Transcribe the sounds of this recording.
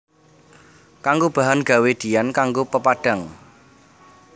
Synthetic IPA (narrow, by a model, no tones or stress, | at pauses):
kaŋɡob̥a̤ɦanɡ̥a̤wed̪̥iankaŋɡopəpaɖ̥a̤ŋ